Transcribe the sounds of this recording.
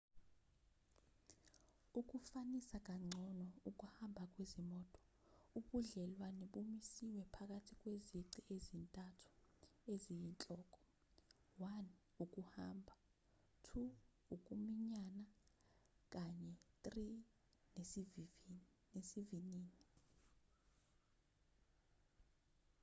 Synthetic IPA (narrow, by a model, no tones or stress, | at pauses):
uk̬ʼufanisak̬ʼaŋ͡ǀʱɔnɔuk̬ʼuhambʱak̬ʼwezimɔːtʼɔ̥ | uɓuɮɛlwaniɓumisiwɛpʰak̬ʼatʰik̬ʼweziǀiʔezintʼatʰu̥ezijint͡ɬʼɔːk̬ʼɔ̥ | wan | uk̬ʼuhaːmbʱa | tʰu | uk̬ʼumiɲana | k̬ʼaɲɛt̪ʼri | nev | nesiviniːni